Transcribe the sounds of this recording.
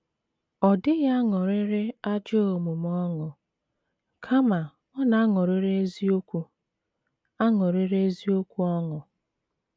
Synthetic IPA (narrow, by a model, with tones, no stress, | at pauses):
ɔ˨dɪ˦ɣa˦ŋɔ˨ɾɪ˦ɾɪ˦a˦d͡ʒo˦o˨mu˨m˦ɔ˦ŋʊ˨ | kʰa˦ma˨ | ɔ˦na˨a˦ŋɔ˨ɾɪ˦ɾe˦zi˦o˦kʷu˦ | a˦ŋɔ˨ɾɪ˦ɾe˦zi˦o˦kʷu˦ɔ˦ŋʊ˨